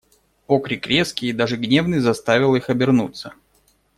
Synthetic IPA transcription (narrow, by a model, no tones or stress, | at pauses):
okɾʲɪkɾʲe̞skʲɪd̪aʐɨɡnʲe̞vnɨjzɐst̪avʲɪlˠixɐbʲɪrnut̪sə